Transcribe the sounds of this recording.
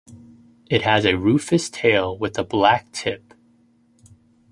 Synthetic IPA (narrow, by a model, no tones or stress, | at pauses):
ɨt̚hɨzɨɹʉfɨstʰeɪlˠwɨðəblæk̚tʰɪp̚